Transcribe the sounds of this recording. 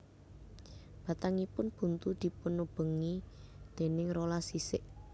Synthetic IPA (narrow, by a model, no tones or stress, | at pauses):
b̥a̤t̪aŋipʊnb̥ṳnt̪ud̪̥i̤pʊnːub̥ə̤ŋid̪̥e̤nɪŋrolasisɪʔ